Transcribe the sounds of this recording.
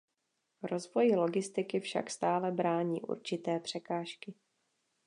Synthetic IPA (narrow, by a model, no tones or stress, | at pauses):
ɾo̞zvo̞jɪlo̞ɡɪst̪ɪkɪfʃa̰kst̪aːlɛbɾaːɲḭːʔṵɾt͡ʃɪt̪ɛːpr̝̥ɛkaːʃkɪ